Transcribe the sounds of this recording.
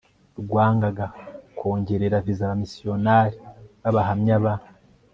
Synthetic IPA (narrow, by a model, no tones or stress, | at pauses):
ɾuɡwaːŋɡaɡako̞ːɲɟe̞ɾeɾavizaβamisio̞naːɾiβaβaɦamɲaβa